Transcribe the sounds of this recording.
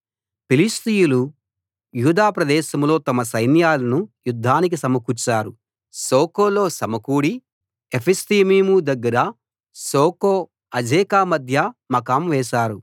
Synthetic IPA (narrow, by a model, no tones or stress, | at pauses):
pilist̪ijulu | juːd̪aːpɾɐd̪ɛːʃɐmlo̞ːt̪ɐmɐsɐjnjaːlɐnujud̪ʱːaːnik̬isɐmɐkut͡ʃːaːɾu | soːkoːlo̞ːsɐmɐkuːɽi | epʰist̪imiːmud̪ɐɡːɐɾɐ | soːkoː | ɐd͡ʒɛːkaːmɐd̪ʱjɐmɐkaːmʋɛːʃaːɾu